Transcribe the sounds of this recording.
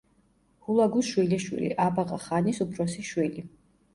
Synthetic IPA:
hulaɡuʃwilɛʃwḭlḭʔabaʁʼaχanisupʰɾɔsiʃwili

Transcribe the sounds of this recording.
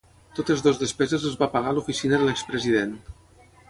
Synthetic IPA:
t̪ot̪əzðozðəspɛzəzəzβapəɣalufisinəðəlekspɾəziðen

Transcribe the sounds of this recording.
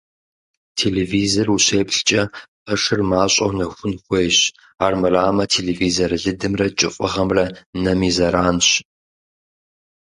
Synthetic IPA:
tʰeːlevizoruɕeːpɬt͡ʃʼɐqʼɐʂɨrmaːɕʼɐ̰wnɐxʷʊnxʷeːjɕ | aːrmɨraːmɐtʰeːlevizɐrɨɮɨdɨmrɐt͡ʃʼɪfʼʊʁɐmrɐnɐmizɐɾaːnɕ

